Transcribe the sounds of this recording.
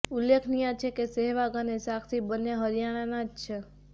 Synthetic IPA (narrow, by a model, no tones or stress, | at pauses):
ulːekʰnijãt͡ʃʰekeseɦʋaɡanesakʰt̪ʰibənːeɦəɾijananad͡ʒt͡ʃʰe